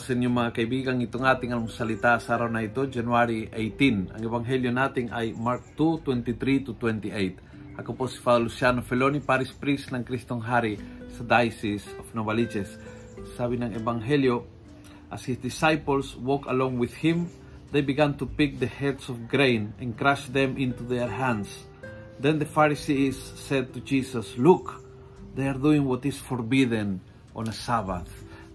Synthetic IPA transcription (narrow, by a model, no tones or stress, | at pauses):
sɛnjʊŋmɐŋakɐjbiɡɐŋɪt̪oŋat̪ɪŋɐnŋsɐlɪt̪asaɾawnɐɪt̪od͡ʒɐnwaɾiʔejt̪ĩnɐ̰ŋɛbaŋɦɛljonat̪ɪŋajmaɹk̚t̪ut̪wɛnt̪it̪ɾit̪ut̪wɛnt̪iʔejt̪ | ɐkoposi̥fad̪olusjanofɛlonipaɾɪspɾisnɐŋkɾist̪oŋɦaɾisɐd̪ajsɪsofnobalid͡ʒɛsː | aːbɪnɐŋɛbaŋɦɛljo | ʔashisd̪isajpəl̩ˠswokəlɔ̃ŋwɪð̥hɪ̃m | ðejbiɡãnt̪upɪk̚ðəhɛdsɔfɡɾẽɪ̃nɛ̃nkɾaʃðɛ̃mʔɪ̃nt̪uðɛɹɦæ̃ns | ðɛ̃nðəfaɹisisːɛd̪̚t̪ud͡ʒisəsluk | ðejaɾd̪uɪ̃ŋwɔt̪ɪsfɔɹbid̪ə̃n | ʔɔ̃nəsaba̰θ